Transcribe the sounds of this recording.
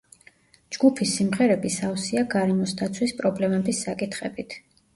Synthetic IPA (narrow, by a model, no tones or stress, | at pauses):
d͡ʒɡupʰisimʁɛɾɛbisavsiaɡaɾɛmɔsd̪at̪sʰwispʼɾɔblɛmɛbisːakʼit̪ʰχɛbit̪ʰ